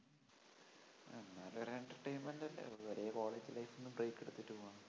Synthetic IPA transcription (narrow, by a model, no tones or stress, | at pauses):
enːaːlureɳʈɐrʈejnmendɐlːḛoɾejɐko̞ːɭeːd͡ʑilɐjfonːumbrejkːeɽut̪ːiʈːuɣuaːɳɨ